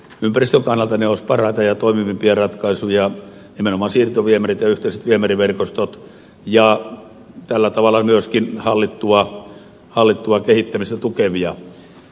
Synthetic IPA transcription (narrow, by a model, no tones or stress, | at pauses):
ympærist̪øŋkɑnːɑlt̪ɑneoˑspɑrɑit̪ɑjɑt̪oˑimimimpiɑrɑt̪kɑisujɑ | nimenomɑːsiːrt̪oʋiemerit̪jɑyht̪eˑiset̪ʋiemeriʋerkost̪ot̪ | jɑ | t̪ælːæt̪ɑʋɑlːˑɑmyøskinhɑlːit̪ːuɑ | hɑlːit̪ːuɑkehit̪ːæmist̪æt̪ukeʋiɑ